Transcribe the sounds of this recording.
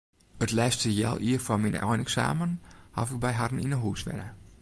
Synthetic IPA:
ətlɛjstəjɛ̰lˠiːərfɔminə̰ʔɔjnɛksa̰ːmənhɔ̰fɪk̚bɛjɦadn̩inəɦusʋɛ̰nə

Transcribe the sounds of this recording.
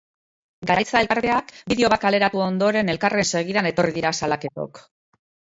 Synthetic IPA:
ɡaɾajt͡saelkaɾβe̞akbiðeo̞βatkale̞ɾat̪uo̞nd̪o̞ɾe̞ne̞lkare̞nse̞ɣ̞iðane̞t̪o̞riðiɾasalake̞t̪o̞̰k

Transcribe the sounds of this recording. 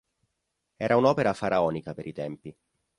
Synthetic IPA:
ɛːɾʔaunɔːpeɾafaɾʔaɔːnikapeɾit̪ɛmpi

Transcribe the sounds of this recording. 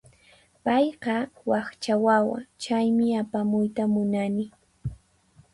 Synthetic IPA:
pɑjqɑwɑχt͡ʃawawa̰t͡ʃajmɪapamʊjt̪amʊnanɪ

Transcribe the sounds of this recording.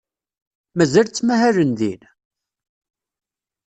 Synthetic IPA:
mæzælt͡sːmæhæɾənðin

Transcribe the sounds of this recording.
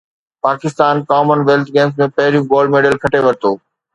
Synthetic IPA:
paːkɪst̪aːnkaːmənʋeːlt̪ʰɡeːms̬mẽpɐɦɪɾijũɡoːlɖmeːɖəlkʰɐʈeʋɐɾɪt̪oː

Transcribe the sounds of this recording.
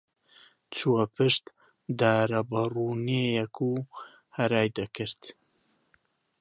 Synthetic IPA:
t͡sʰuɐpʰɨʃt̪ | d̪aːɾɐbɐruːnejɛkʰuhɐɾaːjd̪ɐkɨɾt̪

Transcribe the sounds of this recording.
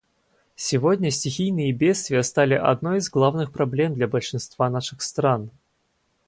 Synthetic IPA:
sʲɪvodʲnʲəsʲtʲɪxʲijnɨjəbʲet̪st̪vʲɪjəst̪alʲɪʔɐ̰d̪nojizɡlˠavnɨxpɾɐblʲe̞md̪lʲabəlʲʂɨnst̪vanaʂɨxst̪ran

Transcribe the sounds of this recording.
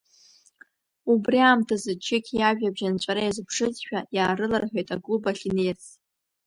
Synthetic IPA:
ubriaːmtʰazɨt͡ʃʰɪkʲʰjaʒᶣabʒant͡ɕʷʼaɾajazɨpʰʂɨzʃᶣajaːrɨlarħʷᶣojtʼaɡubaχʲinert͡s

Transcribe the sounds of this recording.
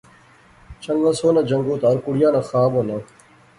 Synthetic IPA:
t͡ɕɐŋɡɐsoːnɐd͡ʑɐŋɡoːt̪aːɾkuɽjaːnɐxaːboːnɐ

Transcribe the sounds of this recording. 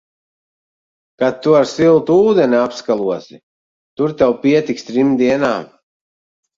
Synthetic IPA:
kat̪ːuaɾsilˠt̪uuːd̪ɛniapskalˠuɔsi | t̪uɾt̪awpiɛt̪ikst̪ɾimd̪iɛnaːm

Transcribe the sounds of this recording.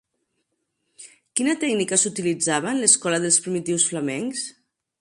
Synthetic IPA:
kinət̪ɛɡnikəsut̪ilid͡zaβənləskɔləðəlˠspɾimit̪iwsflamɛŋks

